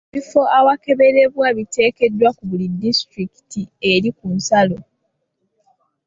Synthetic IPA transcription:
ifo̞awake̞βe̞ɾe̞βwaβite̞ːke̞dːwakuβulidːistɾiki̥tie̞ɾikunsalo̞

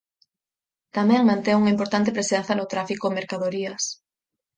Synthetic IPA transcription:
t̪amɛ̃ŋmãnt̪eŋuŋaimpoɾt̪ant̪̬ɪpɾesen̟θɐnʊt̪ɾafikomeɾkaðoɾiɐs

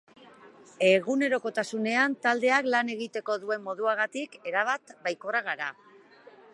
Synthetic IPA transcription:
e̞ɣ̞une̞ɾo̞ko̞t̪asune̞ant̪ald̪e̞aklane̞ɣ̞it̪e̞ko̞ðue̞mːo̞ðuaɣat̪ike̞ɾaβ̞at̪bajko̞raɣaɾa̰

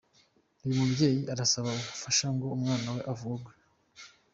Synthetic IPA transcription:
iumubɟe̞ːjiʔaɾasaβaukufaʃaŋɡo̞umŋaːnawe̞ʔavuɡwa

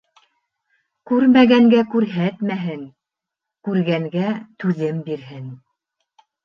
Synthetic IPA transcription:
kʉɾmæɡæŋɡækʉɾɦæt̪mæɦɘŋ | kʉɾɡæŋɡæt̪ʉðɘmbiɾɦɘn

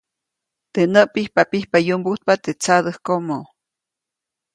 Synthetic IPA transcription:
t̪enəʔpihpapihpajumbuht̪̚pat̪et͡sad̪əhkomo

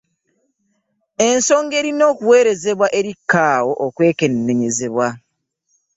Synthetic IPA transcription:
e̞nso̞ːŋɡe̞ːɾino̞ːkuwe̞ːɾe̞ze̞βwaʔe̞ɾikːaːwo̞ʔokwe̞ːke̞nːe̞ɲe̞ze̞βwa

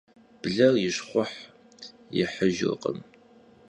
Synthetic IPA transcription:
b̥ɮɐrjɪɕχʷʊħ | jɪ̰ħəʒɨ̰rqə̰m

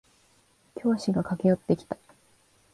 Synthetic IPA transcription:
kʲo̞ːɕiɡakake̞jo̞t̪ːe̞kʲi̥t̪ḁ

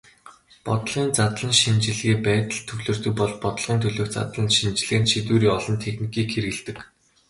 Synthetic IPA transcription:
pɔt̪ɮʁiːnt͡sat̪ɮə̆nʃint͡ɕɪ̆ɮɣeːpæːt̪ə̆ɮt̪ʰːɵɣɮɵ̆r̥t̪ɵ̆jpɔɮpɔt̪̆ɮʁiːnt̪ʰɵɮoːkt͡sa̰t̪ɮə̆nʃint͡ɕɪ̆ɮɣeːnʃit̪uːɾiːɔɮɞ̆nt̪ʰexnikiːkxeɾɣɘ̆ɮt̪ɘ̆k

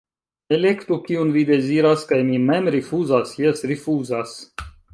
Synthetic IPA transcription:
elʲekt̪ukʲiunvid̪ʲɛziːɾaskajmiːmɛmɾifuːzaːsjisɾifuːzas

